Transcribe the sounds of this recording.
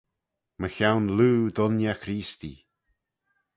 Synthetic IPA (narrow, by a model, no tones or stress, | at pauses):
məxawnluːðʊnjaxɾiːst̪ḭ